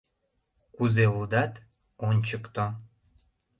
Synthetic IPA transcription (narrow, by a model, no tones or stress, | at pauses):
kuzeud̪ɑt̪ | onʲt͡ɕəkt̪o